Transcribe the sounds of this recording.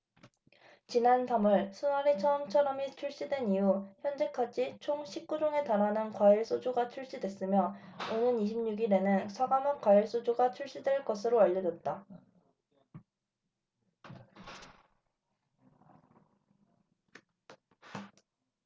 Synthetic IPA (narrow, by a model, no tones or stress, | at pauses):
t͡ɕinantamɯɭsʰunaɾet͡ɕʰʌːmt͡ɕʰʌɾʌmit͡ɕʰuɭɕ͈idwe̞nijuçjʌnd͡ʑe̞kʰad͡ʑit͡ɕʰoŋɕʰip̚k͈ud͡ʑoŋe̞tanɦanɯnkwaiɭs͈od͡ʑuɡat͡ɕʰuɭɕ͈idwe̞s͈ɯmjʌonɯniɕʰimɲuɡiɾe̞nɯnsʰaɡamʌk͈waiɭs͈od͡ʑuɡat͡ɕʰuɭɕ͈idwe̞ɭk͈ʌsʰɯɾoaʎːʌd͡ʑʌt̚t͈a